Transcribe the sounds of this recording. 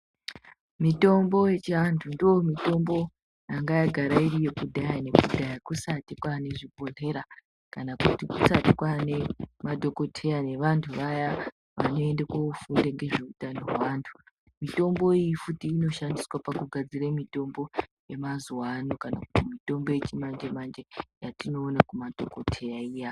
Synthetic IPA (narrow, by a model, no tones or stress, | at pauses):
mito̞mbo̞je̞t͡ʃiantʰundoomito̞mbo̞ | jaŋɡajaɡʱaɾairije̞kudʱajane̞kudʱajakusatikwaːne̞ʐibʱoɮe̞ɾa | kanakutikusatikwane̞madʱo̞ko̞tʰe̞jane̞ʋantʰuʋaja | ʋa̰no̞e̞ndekaufundeŋɡe̞ʐeutanoɦwaːntʰu̥ | mito̞mbo̞ijifutiːno̞ʃandiswapakuɡʱad͡ziɾemito̞mbo̞ | je̞mazuwanokana̰kutimito̞mbo̞je̞t͡ʃimand͡ʒemand͡ʒe̞jatino̞ːnakumad̥ʱo̞kotʰe̞jaija